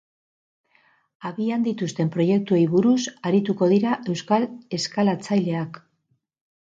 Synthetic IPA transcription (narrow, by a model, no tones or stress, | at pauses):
aβiand̪it̪ust̪e̞mpɾo̞je̞k̚t̪ue̞jβuɾusaɾit̪uko̞ðiɾaʔe̞wskale̞skalat͡sajle̞ak